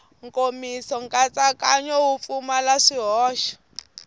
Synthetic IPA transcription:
ŋkomisɔŋkʼat͡sakaɲɔwup̪fumalaʂiɦɔːʃɔ̥

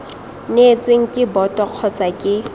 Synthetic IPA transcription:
net͡sʼweŋ̩kʼɪbɔtʼɔq͡χʰɔt͡sʼakʼɪ

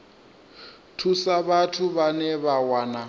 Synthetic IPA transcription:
tʰusaβatʰuβanɛβawaːna

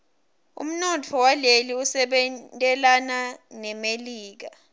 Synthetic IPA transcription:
ṵm̩nɔtʰɔwaleliusɛɓɛtʼɛlananɛmeliːk̬a

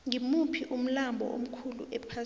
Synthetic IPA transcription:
ŋimupʰiʔum̩lambʱɔ̰ʔo̰m̩kʰulṵʔɛpʰa

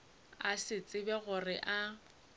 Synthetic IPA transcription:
asɪt͡sʼɪbɛɣʊrɪʔa

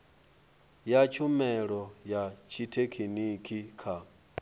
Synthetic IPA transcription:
jat͡ʃʰumɛɺɔjat͡ʃʰitʰekʰinikʰikʰa

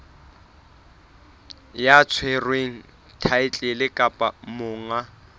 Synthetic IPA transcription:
jat͡sʰwerweŋ̩ | tʰaɪt͡ɬʼɪlɪkʼapʼamʊːŋa

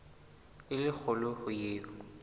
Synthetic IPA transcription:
ɪlɪk͡xʰʊlɔhʊjeːʊ

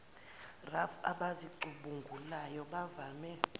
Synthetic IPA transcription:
rafaɓaziǃuɓuŋɡʱulajɔɓavaːmɛ

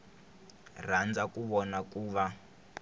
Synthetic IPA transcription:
r̤and͡zakuβɔnakuːβa

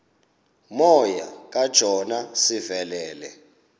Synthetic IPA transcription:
mɔja̰k̬ʼad̥ʒ̥ʱɔnasivɛlɛːlɛ̰

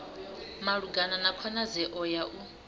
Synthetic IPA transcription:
maɺuɡananakʰɔnazɛʔɔjaʔu

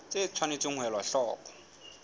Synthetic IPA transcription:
t͡sʼet͡sʰwanet͡sʼiŋ̩wɛlwaɬɔːkʼɔ̥

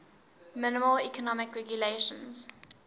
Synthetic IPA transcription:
mɪnɪməlikɔnɔmɪkɹɛɡjuleʃə̃nz̥

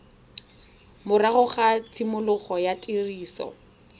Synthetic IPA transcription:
mʊraɣʊχat͡sʰimʊlʊχɔjatʼiriːsɔ̰

